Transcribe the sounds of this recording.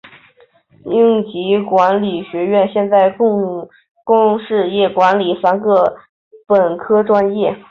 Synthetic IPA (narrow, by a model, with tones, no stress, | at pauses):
i˥ŋt͡ɕi˧˥kwa˧˥nli˨˩ɕɥɛ˧˥ɥɛ˥˧nɕjɛ˥˧nt͡sa˥˧ɪ˥ | kʊ˥ŋʂɻ̩˥˧jɛ˥˩kwa˧˥nli˨˩fa˧˥nkɤ˥˩ | pə˨˩nkʰɤ˥ʈ͡ʂwa˥njɛ˥˩